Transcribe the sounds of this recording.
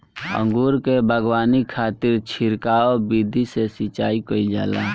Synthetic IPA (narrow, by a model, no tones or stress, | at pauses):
ə̰̃ŋɡuːɾkebʱəɡwaːnikʰaːt̪ɪɾt͡ʃʰɪɾkaːobid̪ʱisesit͡ʃaːikəild͡ʒa̰ːla̰